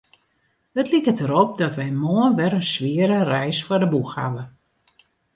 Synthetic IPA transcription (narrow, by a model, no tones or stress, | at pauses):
ətlikətəɾɔp̚dɔtʋɛjmoənʋɛɾənsʋɪəɾərɛjsfɔrdəbuxha̰və